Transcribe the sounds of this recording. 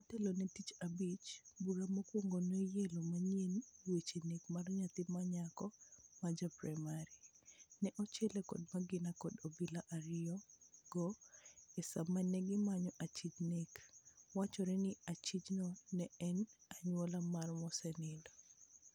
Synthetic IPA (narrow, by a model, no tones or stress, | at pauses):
atɛlonɛtit͡ʃabit͡ʃbuɾamokwoŋɡonojelomaɲenwet͡ʃenekmarɲat̪ɪmaɲakɔmad͡ʒapɾamaɾinɛʔɔt͡ʃɛlɛkɔ̰dmaɡɪnakɔdobilaʔaɾɪjɔɡ̥ɔɛsamanɛɡɪmaɲɔʔat͡ʃit͡ʃnekwat͡ʃɔɾɛnɪat͡ʃit͡ʃnɔnɛɛnaɲwɔlamarmɔsɛnɪndɔ